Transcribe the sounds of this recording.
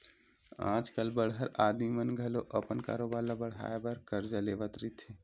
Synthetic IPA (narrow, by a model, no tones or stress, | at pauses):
ã̰ːd͡ʒkəlbəɽɦəɾaːd̪mimənɡʱɐloʔəpənka̰ːɾoːbaːɾlabəɽ̤a̰ːjebəɾkəɾd͡ʒaleːʋət̪ɾit̪ʰe